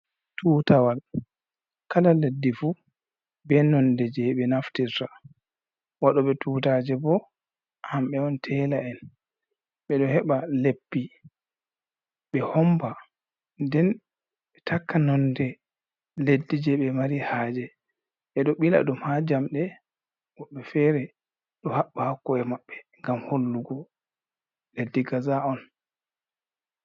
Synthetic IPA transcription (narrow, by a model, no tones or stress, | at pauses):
tʰuːtawal | kalaledːifu | bɛnɔndɛd͡ʒɛɓɛnaftiɾta | waɗɔɓɛtʰuːtad͡ʒɛbɔ | hamɓɛwɔntʰɛlaɛn | ɓɛɗɔhɛɓalepːi | ɓɛhɔmba | ndɛn | ɓɛtʰakːanɔndɛ | ledːid͡ʒɛɓɛmaɾihaːd͡ʒɛ | ɓɛɗɔɓila̰ɗumhad͡ʒamɗɛ | wɔɓːɛfɛɾɛ | ɗɔhaɓːahakːɔɛmaɓːɛŋɡamholːuɡɔ | ledːiɡazaɔn